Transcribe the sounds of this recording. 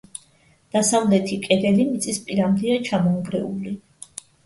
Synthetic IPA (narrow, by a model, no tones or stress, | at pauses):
d̪̥asavlɛt̪ʰikʼɛd̪ɛlimit̪sʼispʼiɾamd̪ɛat͡ʃʰamɔŋɡɾɛuli